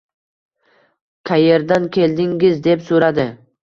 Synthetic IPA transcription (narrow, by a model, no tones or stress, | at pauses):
kʰaje̞ɾd̪ankʲʰe̞ld̪ɪŋɡʲɪzd̪e̞psoɾad̪ɪ